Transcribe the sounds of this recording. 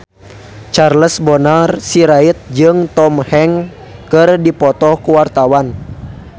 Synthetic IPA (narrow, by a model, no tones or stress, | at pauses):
t͡ʃarləsbɔnarsiɾait̪̚d͡ʒɨŋt̪ɔmhɛŋ | kɨrdipɔt̪ɔhkuwart̪awan